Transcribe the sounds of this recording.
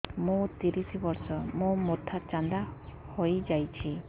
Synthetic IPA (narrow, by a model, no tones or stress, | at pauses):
mũt̪iɾisibɔɾsɔmũmot̪ʰat͡ʃand̪a | hojd͡ʒajt͡ʃʰi